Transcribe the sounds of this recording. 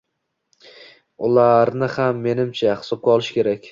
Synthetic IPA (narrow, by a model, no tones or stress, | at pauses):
ʊlˠaɾnɪhamːe̞nɪmt͡ʃʰaχɪ̥sɒp̚kʲaɒlˠɪʃkʲe̞ɾakʲ